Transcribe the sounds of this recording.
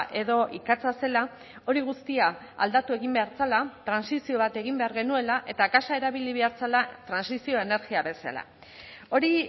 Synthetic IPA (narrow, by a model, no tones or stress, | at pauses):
ʔe̞ðo̞ʔikat͡sase̞la | o̞ɾiɣ̞ust̪ia | a̰ld̪at̪ue̞ɣimbe̞aɾt͡salat̪ɾansisio̞βat̪e̞ɣimbe̞aɾɣe̞nue̞laʔe̞t̪akasae̞ɾaβ̞iliβe̞aɾt͡salat̪ɾansisio̞e̞ne̞ɾɣiaβe̞sa̰la̰ | o̞ɾi